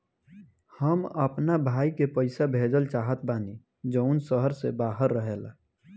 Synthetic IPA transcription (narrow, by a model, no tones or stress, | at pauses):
həməpnabʱaːikepəɪsabʱeːd͡ʒəlt͡ʃaːɦət̪̚baːni | d͡ʒəʊnsəɦəɾsḛbaːɦəɾːəɦeːla̰